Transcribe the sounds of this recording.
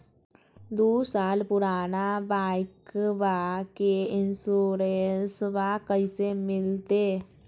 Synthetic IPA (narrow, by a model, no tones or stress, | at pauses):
d̪uːsaːlpʊɾaːnabaːɪkʋakeɪnsuːɾensʋaːkəɪsemɪlt̪eː